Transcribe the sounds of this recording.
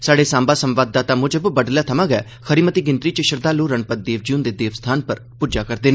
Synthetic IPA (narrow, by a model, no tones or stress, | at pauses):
saːɖeːsãːmbaːsəmʋaːd̪ːaːt̪aːmʊd͡ʒəbbəɖljaːt̪ʰəmãːɡɛː | kʰəɾiːmət̪iːɡɪnt̪ɾiːt͡ʃəʃəɾd̪aːluːɾəɳpət̪̚d̪eːʋd͡ʒiund̪eːd̪eːʋst̪ʰaːnpəɾ | puːd͡ʒaːkəɾd̪eːneː